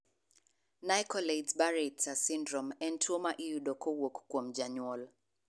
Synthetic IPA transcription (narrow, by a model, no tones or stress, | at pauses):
najkɔledsbaɹɛtsasĩndɾɔmɛntʰumaʔijuɗɔkʰɔwɔkkɔm̩d͡ʒaɲwɔl